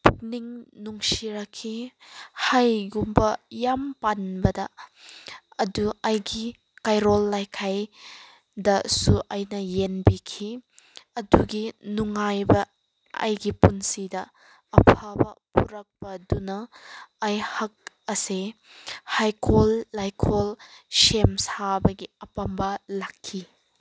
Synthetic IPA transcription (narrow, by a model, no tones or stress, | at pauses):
puk̚niŋnuŋsiɾɐkʰːihajɡumbɐjampanbɐdɐ | ɐduɐjɡi | kajɾolːajkʰaj | dɐsuʔɐjnɐjenbikʰiɐduɡinuŋajbɐ | ɐ̰jɡipunsidɐː | pʰabɐpuɾɐk̚pɐdunɐː | jhɐk̚ | ɐse | hajkʰolːajkʰolsemsabɐɡiɐpɐmbalakʰːi